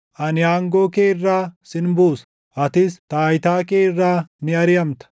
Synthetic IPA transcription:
ʔɐnɪaːŋɡoːkeːɪrːaːsɪnbuːs | ʔɐt̪ɪst̪aːjt̪aːkeːrːaːnɪɐɾɪjɐmt̪ɐ̥

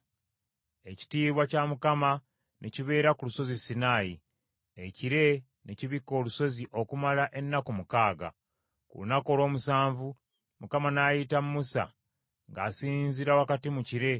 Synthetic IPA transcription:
e̞ci̥tiːβwacamukama | nʔeciβe̞ːɾakuluso̞zisinaːji | eciɾe̞ | neciβikːo̞ːluso̞ziʔo̞kumalaʔe̞nːakumukaːɡa̰ | kṵlunako̞lo̞ːmusaːɱvu | mukamanaːjitamumusa̰ | ŋɡaːsiːnziɾawakatimuciɾe̞

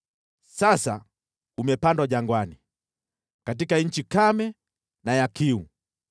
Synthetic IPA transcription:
sasa | umɛpandwaʄaŋɡwani | kat̬ikaɲ̩t͡ʃikamɛ | najakiu

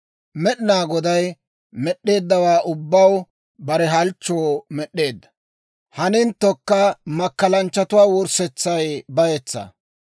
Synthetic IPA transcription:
mɛɗɪnaːɡɔd̪ɐj | mɛɗːe̞ːd̪ːɐwaːʔʊbːɐw | bɐɾɛɦɐlt͡ʃːoːmɛɗːe̞ːd̪ːɐ̥ | hɐnɪnt̪ːɔkːɐmɐkːɐlɐnt͡ʃːɐt̪ʊwaːwɔɾsɛt͡sːɐjbɐjɛt͡sːɐ̰

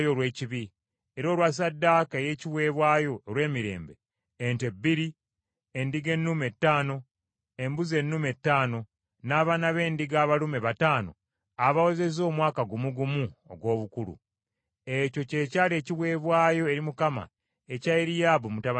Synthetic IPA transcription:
joɾwe̞ːciβi | eɾo̞ːlwas̬adːaːkaeje̞ciβwe̞ːβwaːjo̞ːɾwe̞ːmiɾe̞̰ːmbe̞̰ː | ntebːiɾi | endiɡe̞nːume̞tːaːno̞ | e̞mbuze̞nːume̞tːaːno̞ | naːβanaβe̞ːndiɡaːβalume̞βataːno̞̰ | aβaweze̞zo̞ːmwaːkaɡumuɡumuo̰ɡwo̞ːβukulṵ | e̞co̞ce̞caːle̞ːciβwe̞ːβwaːjo̞e̞ɾimukama̰ | ecaeɾijaːβumutaβa

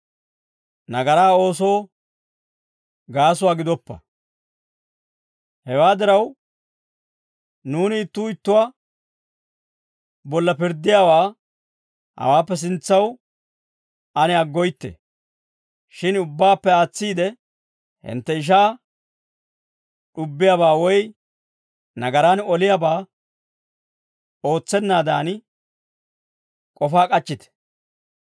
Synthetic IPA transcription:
nɐɡɐɾaːo̞ːso̞ː | ɡaːs̬ʊwaːɡɪd̪ɔpːɐ̰ | hɛwaːd̪ɪɾɐw | nuːnɪːt̪ːuːɪt̪ːʊwa | bɔlːɐpɪɾd̪ːɪjaːwaː | hɐ̰waːpːɛs̬ɪnt͡sːɐw | ɐnɛɐɡːɔjt̪ːɛ̰ | ʃɪnʊbːaːpːɛaːt͡sːiːd̪ɛ | hɪ̰nt̪ːɛɪʃ̬aː | ɗʊbːɪjabaːwɔj | nɐɡɐɾanɔlɪjabaː | o̞ːt͡sːɛnːaːd̪aːn | kʼɔfaːkʼɐt͡ʃːɪt̪ɛ̥

